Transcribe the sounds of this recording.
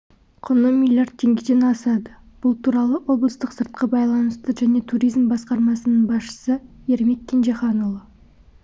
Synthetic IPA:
qʰənəmilʲjardt̪̚t̪ʲʰːe̞ŋɡʲed̪enɑsɑd̪ə | b̥ʊlˠt̪ʰuɾɑlˠəʔo̞blˠəst̪əqsəɾt̪̚qəbɑjlˠɑnəst̪əʒæne̞t̪ʰuɾʲijzmbɑsqɑɾmɑsənəɴbɑsʃə̥sə | e̞ɾmet̪̚kʲʰːenʒeχɑnolˠə

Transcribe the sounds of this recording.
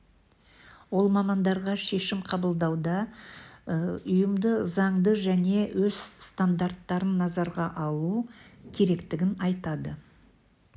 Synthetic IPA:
wo̞lˠmɑmɑnd̪ɑɾʁɑʃe̞ʃɪmqʰɑbəlˠd̪ɑwd̪ɑ | ʊjəmd̪əzɑɴd̪əʒæne̞wʔɵz̥st̪and̪art̪ːɑɾənːɑzɑɾʁɑʔɑlˠukʲʰe̞ɾe̞kt̪ɪɡʲɪnɑjt̪ɑd̪ə

